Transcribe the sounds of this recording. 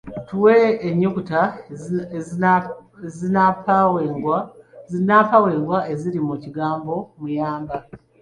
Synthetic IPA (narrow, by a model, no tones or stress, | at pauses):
tuweːɲːukuta | zinapawainapawe̞ːŋɡwaʔe̞ziɾimuciɡaːmbo̞mujaːmba